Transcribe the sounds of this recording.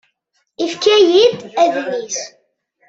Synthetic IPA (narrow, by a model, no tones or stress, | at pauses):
ifkæjid̪æðnːis